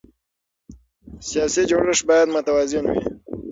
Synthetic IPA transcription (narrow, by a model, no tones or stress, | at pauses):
sijɑsid͡ʒoɽəʂbɑjad̪mʊt̪awɑzɪnwḭ